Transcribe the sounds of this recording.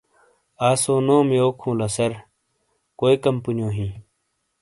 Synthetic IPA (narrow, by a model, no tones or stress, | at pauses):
aːsoːnoːmeoːkʰũːlɐsɐɾ | koːikɐmpunjõːɦĩː